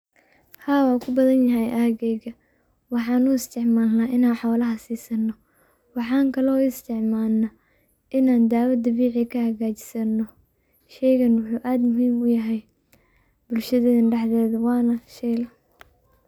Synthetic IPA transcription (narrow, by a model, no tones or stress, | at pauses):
haːwɑːkʰʊbɐðɐnjɐɦɛjʔaːɣɛɣɐ | wɑħɑːnʊɪst̪ʰɪʕmaːlnaʔɪnaːnħɔːlɐɦɐsiːsɐnːɔ | wɑħɑːŋkʰɐlɔːɪst̪ʰɛʕmaːlnɐ | ʔɪnaːnd̪aːwɐd̪ɐβiːʕikʰɐhɐɣaːt͡ʃɪ̥sɐnːɔ | ʃɛjɣɐnwʊħuːʔaːd̪mʊɦiːmʊjɐɦɛj | bʊlʃɐðɛðɐnɖɛħðɛːðɐwɑːnɐʃɛjlɐ